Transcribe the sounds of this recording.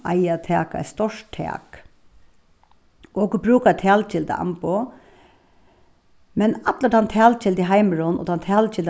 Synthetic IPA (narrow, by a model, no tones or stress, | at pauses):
ʔa̰ɪat̪ʰɛ̰ːka̰st̪ɔʂt̪ʰɛ̰ːk | oːɡəbɾʉːkat̪ʰæːlt͡ʃɪld̪ə̰a̰mpʊ | mɛnat̪lət̪ant̪ʰæːlt͡ʃɪld̪ɪɦaɪməɾʊnɔ̰t̪ʰant̪ʰæːlt͡ʃɪld̪